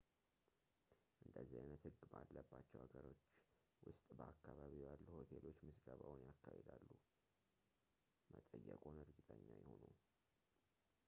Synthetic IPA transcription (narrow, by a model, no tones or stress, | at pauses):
ʔɨnd̪əzːihajnət̪hɨɡːbalːəbːat͡ʃːɛwhəɡəɾo̞t͡ʃː | wʊst̪ʼbəakːaβaβijalːuho̞t̪ʰelo̞t͡ʃːmɨsɡəβawnjakːaheɛd̪alːu | mət̪ʼəjːəkʼonɨɾɡit̪ʼəɲːajɪho̞nu